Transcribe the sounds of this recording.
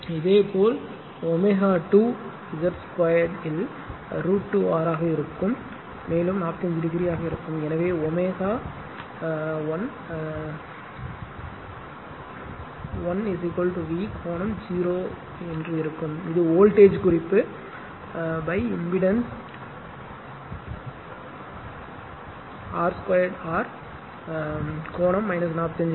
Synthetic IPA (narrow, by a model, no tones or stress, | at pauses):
ɪðeːpʰoːl | ɔmeːɣaːʈuː | ɪzɐɾskɐːjɐɖɪl | ɾuːʈːuaːɾaːɣɐɪɾɯkːɯmː | eːlɯmnaːpt̪ɪnd͡ʒɪɾɪɣɪɾɪjaːɣɐɪɾɯkːɯmɛnɐʋeːɔmeːɣaː | ʋɐn | ʋɐnɪsɪkːolʈuʋiːkʰoːnɐmd͡ʒiːɾoː | ɛndrɯɪɾɯkːɯmɪðɯoːlʈeːd͡ʒkʊrɪpːɯ | bɐɪɪmbɪɽɐns | aːɾskwɐjɐɖaːɾ | koːɳɐmːɐɪnɐsnaːpɐt̪ɪɐɲd͡ʒ